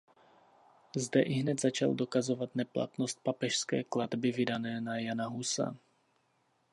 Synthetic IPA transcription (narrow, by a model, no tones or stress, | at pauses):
zdɛʔɪɦnɛt̪zat͡ʃa̰ldo̞kazovat̪nɛpla̰t̪nost̪̚papɛʃskɛ̰ːkladbɪvɪdanɛːnajanaɦusa̰